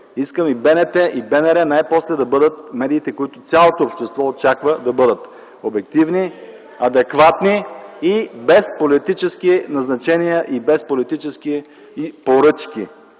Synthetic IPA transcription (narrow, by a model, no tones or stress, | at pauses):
iskəmibɛnɛt̪ɛʔibɛnɛɾɛnajpɔslɛd̪ɐbɤd̪ət̪̚mɛd̪iːt̪ɛkoit̪ʊt̪sʲjalˠot̪oːpʃt̪ɛst̪vɔot͡ʃakvəd̪ɐbɤd̪ət̪ | obɛk̚t̪ivni | ɐd̪ɛkvat̪niibɛspolit̪it͡ʃɛskinɐznɐt͡ʃɛnijəʔibɛspolit̪it͡ʃɛski | poɾɤt͡ʃki